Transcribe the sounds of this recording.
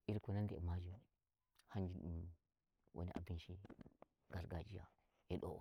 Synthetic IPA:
iɾkonandḛmad͡ʒi | hand͡ʒiɗum | wʔo̰nḭʔa̰binʃi | ɡ̥aɾɡad͡ʒija̰ | jeɗo̰

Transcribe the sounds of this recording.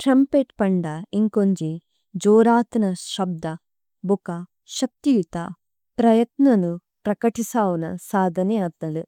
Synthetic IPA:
ʈɾɐmpeːʈpɐɳɖɐiŋkoɲd͡ʒi | d͡ʒoːɾaːt̪ɐnɐʃɐb̚d̪ɐ | bukɐ | ʃɐk̚t̪iʋit̪ɐ | pɾɐjɐt̪nɐnu | pɾɐkɐʈisaːʋunɐsaːd̪ʱɐnɛjɐd̪nɐlu

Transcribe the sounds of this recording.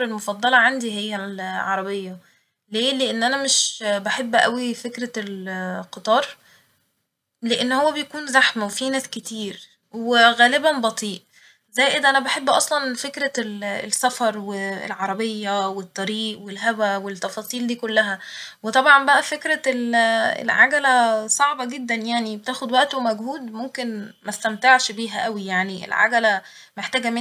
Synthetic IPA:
ɾelmofɑd̪ˤːɑlɑʕand̪iɦejːæʕɑɾˤɑbejːɑ | leːleʔenːʔænæmeʃbaħebːʔæwifekɾælqɨt̪ˤɑːɾˤ | leʔenːhowːæbejækuːnzæħmæwefinæːsket̪ʰiːɾ | weɣæːlɪbænbɑt̪ˤiːʔ | zæːjʔed̪ʔænæbaħebːʔɑ̰sˤlɑnfekɾælsːæfɑɾˤwḛlʕɑɾˤɑbejːæwet̪ˤːɑɾiːʔwelɦæwæwet̪ːɑfɑːsˤiːld̪iːkolːæɦæwet̪ˤɑbʕɑmbæʔæfekɾælḛlʕaɡælæsˤɑʕbɑɡed̪ːænjaʕnibet̪æːxod̪wæʔt̪omæɡhuːd̪momkenmæst̪æmt̪ɑʕʃbiːɦæʔæwijaʕniʔḛlʕa̰ɡælæ | meħt̪æːɡæme

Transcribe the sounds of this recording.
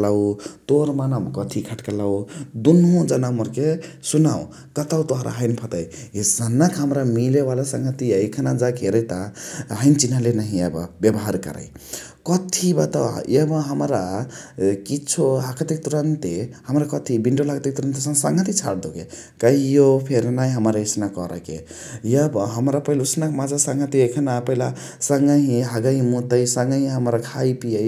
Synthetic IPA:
lawt̪oɾmanəmkʌt̪ʰikʰəʈkalawd̪unɦõd͡ʒanamoɾkesunaw | kʌt̪awt̪oɦɾʔa̰ɦəɪnpʰʌt̪əjesənəkɦəmɾamilebalasəŋɡʱət̪iaikʰanad͡ʒakeɾəjt̪aɦəɪnt͡ʃinalenaɦĩabʌ̰bjebɦaɾkə̰ɾə̰j | kʌt̪ʰibat̪aw̰ebʌ̃ɦəmɾa | kit͡ʃʰoɦakət̪ik̚t̪uɾənt̪ehəmɾakʌt̪ʰibiɳɖolakt̪ik̚t̪uɾənt̪esə̃ŋsaŋɡʱət̪it͡ʃʰa̰ɽd̪okḛ | kaɦijopʰeɾnajɦəmɾaisnakɔɾə̰kḛ | jəbʌɦəmɾapəɦilusnakmad͡zasaŋɡət̪iekʰənapəɦila | səŋɡəɦĩɦaɡaɦĩmut̪əjsəŋɡəɦĩɦəmɾakʰajpijəj

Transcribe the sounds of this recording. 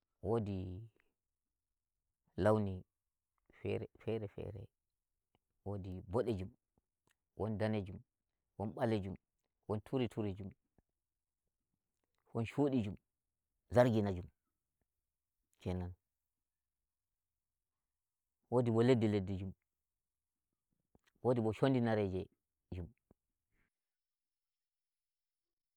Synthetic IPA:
wodi | lawni | fɛ̰ɾɛfɛɾɛfɛ̰ɾɛ̰ | wodibɔɗed͡ʒum | wʔɔndaned͡ʒum | wɔnɓaled͡ʒum | wɔntʰuɾitʰuɾid͡ʒum | wɔnʃoɗid͡ʒum | zaɾɡinad͡ʒum | kɛnan | wodibɔledːiledːid͡ʒum | wodibɔʃondinaɾɛd͡ʒɛ | d͡ʒum

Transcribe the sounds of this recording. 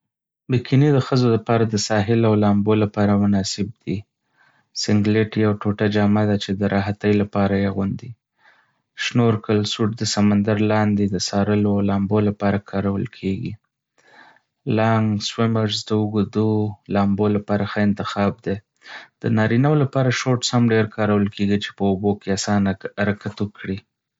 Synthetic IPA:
bikʰinid̪əxəzoləpɑɾad̪əsɑɦɪlawlɑmbolapɑɾamʊnɑsɪb̚d̪i | sɪŋɡleʈjawʈoʈad͡ʒɑmad̪at͡ʃed̪əɾʔɑɦat̪əjlapɑɾajeɣʊnd̪i | ʃnoɾkəlsuʈ̚d̪əsamand̪aɾlɑnd̪ed̪əsɑɾəloawlɑmbolapɑɾakʰɑɾawə̰lkʰeɡḭ | lɑŋɡswɪməɾzd̪əəɡud̪ulɑmbolapɑɾaxəɪnt̪ɪxɑb̚d̪e | d̪̥ənɑɾinawolapɑɾaʃoʈshamɖeɾkʰɑɾawəlkeɡit͡ʃe̥pəobokeasɑnaɾakat̪əkɽi

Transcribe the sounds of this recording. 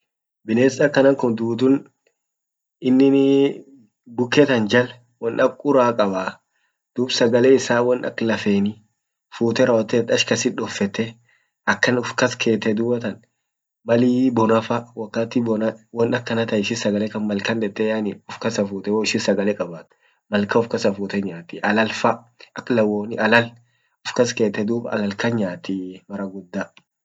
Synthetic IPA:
bɪneːsɐkːɐnɐŋkʊnd̪uːt̪ʊn | ɪnːɪ | bʊkːɛt̪ɐnd͡ʒɐl | wɔnʔɐkʼʊɾaːkʼɐbaː | d̪̥uːbsɐɡɐlɛɪsaːwɔnɐ̰klɐfeːnɪ | fuːt̪ɛɾɐwt̪ːɛːt̪ːɐʃkɐsɪᶑɔfːɛt̪ːɛ | ʔɐkːɐnʊfkɐskʰe̞ːt̪ːɛd̪ʊːbɐt̪ɐn | mɐliːbɔnɐfɐwɐkːat̪ɪbɔnɐwɔnɐkːɐnɐt̪ɐɪʃɪsɐɡɐlɛkɐnmɐlkɐnd̪ɛt̪ːɛjaːnɪʊfkɐsɐfuːt̪ɛwoɪʃɪsɐɡɐlɛkʼɐbaːt̪ | mɐlkɐʊfkɐsɐfuːt̪ɛɲaːt̪ɪʔɐlɐlfɐ | ɐkːlɐwoːnɪʔɐlɐl | ʊfkɐskeːt̪ːɛd̪uːbɐɐ̰lɐlkɐɲaːt̪imɐɾɐɡʊd̪ːa

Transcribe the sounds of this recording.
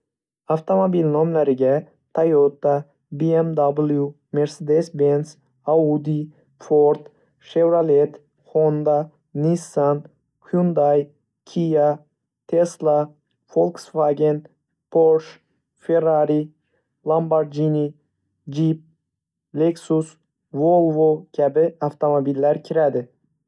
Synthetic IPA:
aft̪ʰomobilnɔmlaɾɪɡʲa | t̪ʰajot̪ːa | biemd̪ablˠju | me̞ɾsed̪esbens | aud̪i | foɾt̪ | ʃevɾalet̪ | hond̪a | nisːan | kʲʰjund̪aj | kʲʰija | t̪ʰeslˠa | folˠksvaɡʲen | pʰoɾʃ | feɾaɾi | lambaɾd͡ʒini | d͡ʒip̚ | leksus | volˠvokʲʰæbɪaft̪ʰomobilːæɾkʲʰiɾæd̪ɪ

